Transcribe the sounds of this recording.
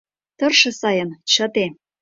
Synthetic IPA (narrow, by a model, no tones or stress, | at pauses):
t̪ɤ̆rʃɤ̆sɑjɤ̆nt͡ɕɤ̆t̪e